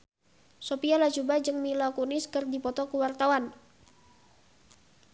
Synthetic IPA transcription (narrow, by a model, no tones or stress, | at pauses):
sopialad͡ʒubad͡ʒɨŋmilakunɪskɨrdipɔt̪ɔkuwart̪awan